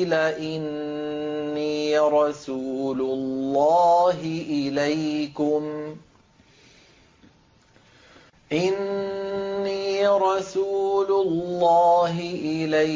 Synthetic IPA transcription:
laʔɪnː | iːɾˤɑsuːlʊlːɑːɦɪʔɪlajkʊm | ʔɪnː | iːɾˤɑsuːlʊlːɑːɦɪʔɪla

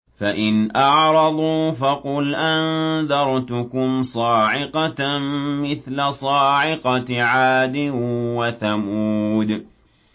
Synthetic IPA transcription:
faʔɪnʔɑʕɾˤɑd̪ˤuːfɑqʊlʔanðɑɾˤt̪ʊkʊmsˤɑːʕɪqɑ | mɪθlasˤɑːʕɪqɑʕaːd̪ɪwaθamuːd̪

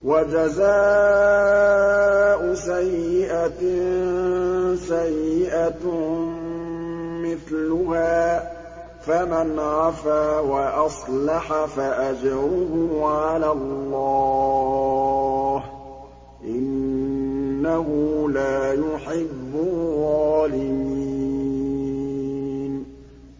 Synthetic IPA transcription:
wad͡ʒazaː | ʔʊsajːɪʔa | sajːɪʔa | mɪθlʊhaː | famanʕafaːwaʔɑsˤlɑħafaʔad͡ʒɾʊhʊʕalalːɑː | h | ʔɪnː | aɦʊlaːjʊħɪbːʊðˤɑːlɪmiii | n

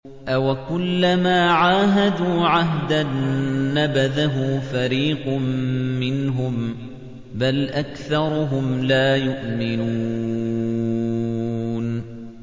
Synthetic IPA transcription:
ʔawakʊlːamaːʕaːɦad̪uːʕaɦd̪anːabaðaɦʊːfaɾiːqmːɪnɦʊm | balʔakθɑɾˤʊɦʊmlaːjʊʔmɪnuː | n

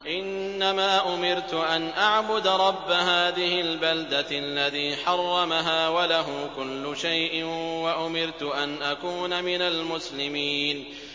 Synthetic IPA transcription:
ʔɪnːamaːʔʊmɪɾt̪ʊʔanʔaʕbʊd̪ɾˤɑbːaɦaːðɪɦɪlbald̪aalːaðiːħɑrˤːɑmaɦaːwalaɦʊkʊlːʊʃajʔɪwaʔʊmɪɾt̪ʊʔanʔakuːnamɪnalmʊslɪmiːn

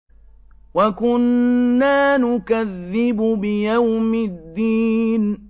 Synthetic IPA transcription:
wakʊnːaːnʊkaðːɪbʊbɪjawmɪd̪ːiːn

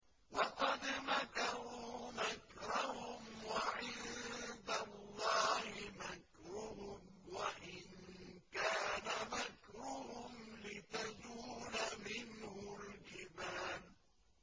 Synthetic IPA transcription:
wɑqɑd̪makaɾuːmakɾahʊmwaʕɪld̪alːɑːhɪmak | ɾʊhʊm | waʔɪnkaːnamakɾʊhʊmlɪt̪azuːlamɪnhʊld͡ʒɪbaːn

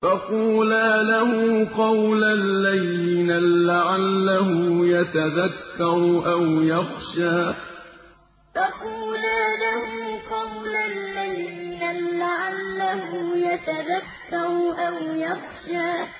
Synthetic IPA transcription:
fɑquːlaːlahʊqɑwlalːaðiːnalaʕalːahʊjat̪aðakːɑɾˤʔawjɑxʃaː | fɑquːlaːlahʊqɑwlalːaðiiːnalɪʕalːahʊjat̪aðakːɑɾʔawjɑxʃaː

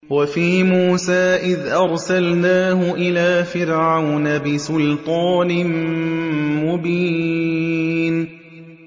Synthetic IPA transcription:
wafiːmuːsaːʔɪðʔɑɾˤsalnaːhʊʔɪlaːfɪɾʕawnabɪsʊlt̪ˤɑːnm | mʊbiː | n

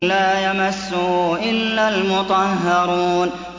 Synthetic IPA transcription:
laːjamasːuʔɪlːalmʊt̪ˤɑɦːɑɾuːn

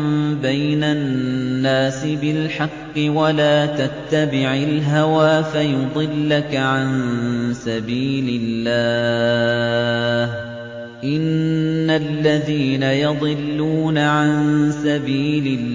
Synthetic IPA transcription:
mbajnaː | aːsɪbɪlħɑqːɨwalaːt̪at̪ːabɪʕɪlɦawaːfajʊd̪ˤɨlːakaʕansabiːlɪlːaː | h | ʔɪnːalːaðiːnajɑd̪ˤɨlːuːnaʕansabiːlɪ

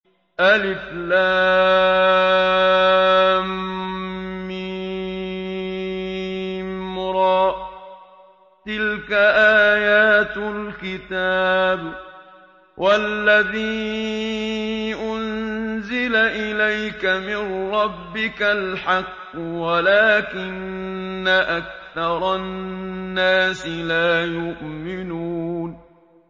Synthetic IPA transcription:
ʔalʔɪflaː | mː | ɪ | mɾˤɑːʔ | t̪ɪlkaʔaːjaːt̪lkɪt̪aːb | wʔalːaðiː | ʔʊnzɪlaʔɪlajkamɪnɾˤɑbːɪkalħɑqːʊwalaːkɪnː | aʔak̚θɑɾˤɑnːaːsɪlaːjʊʔmɪnuːn

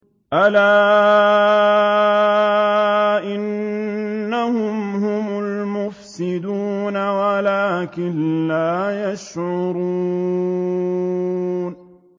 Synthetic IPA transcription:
ʔalaː | ʔɪnː | ahʊmhʊmʊlmʊfsɪd̪uːnawalaːkɪnlaːjaʃʕʊɾuː | n

